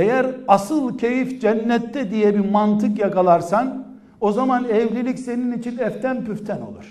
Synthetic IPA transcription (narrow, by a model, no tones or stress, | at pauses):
ejæɾasɯlˠcʰe̞jifd͡ʒɛnːɛt̪ʰːɛd̪ijɛbimant̪ʰɯkjakalˠaɾsan | o̞zamanɛvlʲilʲicse̞ninit͡ʃʰinɛft̪ʰænpyft̪ʰɛno̞̰lˠuɾ̥